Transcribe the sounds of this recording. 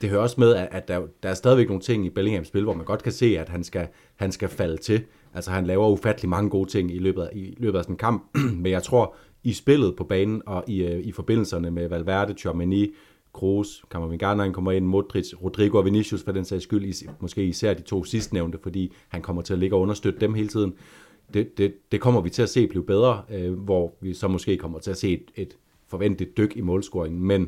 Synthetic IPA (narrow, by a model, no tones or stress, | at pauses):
d̥e̝høɐɒ̽smeðˠæʔæ̥æd̥ɑ̈æɐsdɛðˠiʋeɡ̥no̝ːn̩t͡sʰe̝ŋ̰ib̥eleŋhemsb̥e̝lʋɒ̰ːmænɡ̥ɒ̽d̥kʰæse̝̰ːæd̥ɦænsɡ̥æ | hænsɡ̥æfælət͡sʰe̝ | ʔælsɒhænlɛːʊɐufæd̥əlimɑ̈ŋəɡ̥o̝ːt͡sʰe̝ŋ̰ilø̰ːb̥ðˠæilø̰ːb̥ð̩ˠæsɒ̽n̩kʰɑ̈m̰b̥̚menjɑɪt͡sʰʁo̝ɐ̰ | isb̥e̝l̰ð̩ˠpʰɒ̽b̥ɛːnn̩ɒ̽ʔiifɒ̽b̥e̝n̰l̩sɐnəmeʋælʋæɐ̰d̥əɕʰyɐmæni | kʰʁoːskʰɑ̈mɐʋinɡ̥ɑ̈nɒhænkʰɒ̽m̰ɐe̝n̰mo̝d̥ʁisʁod̥ʁiɡ̥o̝ɒʋe̝niɕjusfɑd̥ensɛɪsɡ̥yl̰imɒ̽sɡ̥e̝̰ːisæɐ̰d̥it͡sʰo̝̰ːsisd̥neʊnd̥əfɒ̽d̥ḭːhænkʰɒ̽m̰ɐt͡sʰe̝æle̝ɡ̥ɐɒɔ̽nɐsd̥ød̥əd̥emɦe̝ːlət͡sʰið̞̰ˠn̩ | d̥ed̥ed̥e̝kʰɒ̽m̰ɐʋit͡sʰe̝læse̝̰ːb̥liːʊb̥eð̞ˠʁɐʋɒʋisɒ̽mɔ̽sɡ̥e̝̰ːkʰɒ̽m̰ɐt͡sʰe̝læse̝̰ːd̥e̝d̥ | fɒ̽ʋen̰d̥lid̥ːøɡ̥imɔ̽ːlsɡ̥oɐeŋn̩men